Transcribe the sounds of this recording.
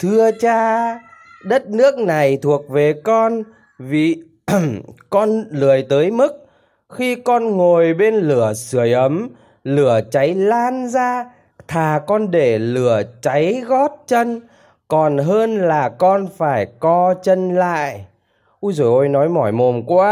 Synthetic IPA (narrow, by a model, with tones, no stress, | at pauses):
t̪ʰɨ˧ət͡ɕaː˧ | ɗə˦˥t̚nɨ˦˥ək̚na˨˩jt̪ʰu˨˩ək̚ve˨˩kɔ˧n | vi˨˩ | kɔ˧nlɨ˨˩əjt̪əː˨˦jmɨ˦˥k̚ | xi˧kɔ˧nŋo˨˩jɓe˧nlɨ˧˩əsɨ˧˩əjʔə˨˦m | lɨ˧˩ət͡ɕa˨˦jlaː˧nzaː˧ | t̪ʰaː˨˩kɔ˧nɗe˧˩lɨ˧˩ət͡ɕa˨˦jɣɔ˦˥t̚t͡ɕə˧n | kɔ˨˩nɦəː˧nlaː˨˩kɔ˧nfaː˧˩jkɔ˧t͡ɕə˧nla̰ː˧˨j | ʔu˧jzo˧˩jʔo˧jnɔ˨˦jmɔ˧˩jmo˨˩nkwaː˧